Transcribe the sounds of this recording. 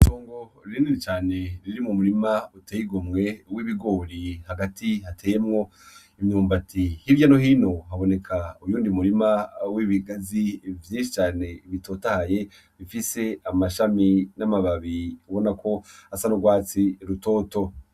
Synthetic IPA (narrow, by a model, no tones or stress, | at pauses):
toːŋɡo̞ɾiniɾit͡ʃaːne̞ɾiɾimumuɾimauteːjiɡomŋe̞wiβiɡo̞ːɾihaɡatʰihatʰeːjemŋo̞ | imɲuːmbatʰihiɟanoɦiːno̞ɦaβo̞ne̞kʰaujuːndimuɾimawiβiɡazivjiːnʃit͡ʃaːne̞iβito̞ːtahaje̞ | βifise̞amaʃaminamaβaβiuβo̞nakʰo̞asanuɡwaːt͡siɾuto̞ːto̞